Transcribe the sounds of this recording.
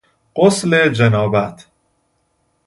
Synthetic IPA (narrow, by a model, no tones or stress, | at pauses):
ɢ̥osled͡ʒenɒːbæt̪ʰ